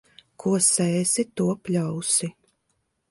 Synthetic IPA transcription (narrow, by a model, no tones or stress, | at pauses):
kʰuɔsɛːsit̪uɔpʲlʲawsi